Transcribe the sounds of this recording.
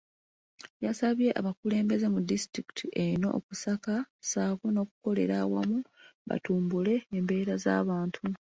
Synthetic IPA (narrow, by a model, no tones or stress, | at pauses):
jasaβje̞ʔa̰βakule̞ːmbe̞ze̞mudistɾiki̥tʰiʔe̞ino̞̰ʔːkusakasaːkono̞ːkuko̞le̞̰ɾawa̰muβa̰tuːmbule̞ːmbe̞ːɾaza̰ːβaːntʰu